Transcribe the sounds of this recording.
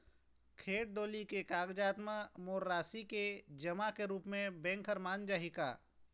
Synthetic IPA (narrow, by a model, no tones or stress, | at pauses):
kʰeːʈ̚d̪oːlikekaːɡd͡ʒaːt̪məmoːɾːaːsiked͡ʒɐmakeɾuːpmẽbɛ̃ːŋkʰəɾmaːnd͡ʒaːɦɪka̰ː